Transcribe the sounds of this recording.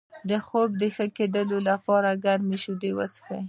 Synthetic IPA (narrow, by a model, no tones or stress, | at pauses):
d̪əxobd̪əxəked̪əlolapɑɾaɡaɾniʃud̪ewasxaj